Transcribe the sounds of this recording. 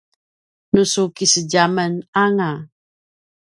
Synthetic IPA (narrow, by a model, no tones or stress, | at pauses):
nusukisəɟamənaŋa